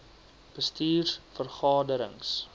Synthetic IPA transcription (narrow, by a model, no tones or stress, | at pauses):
b̥əstiːrfərχɑːdəɾə̰ŋs